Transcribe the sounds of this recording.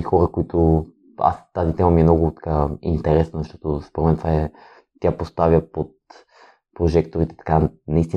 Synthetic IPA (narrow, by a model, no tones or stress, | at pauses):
ixɔɾəkoit̪ʊ | a̰st̪azit̪ɛmɐmiɛmnɔɡʊt̪ɐ̥kaḭnt̪ɛɾɛsnəzɐʃt̪ɔt̪ospoɾɛnmɛnt̪vaɛ | t̪ʲjapost̪avʲjəpot̪̚ | pɾoʒɛkt̪oɾit̪ɛ̥t̪ɐ̥kanɐist̪i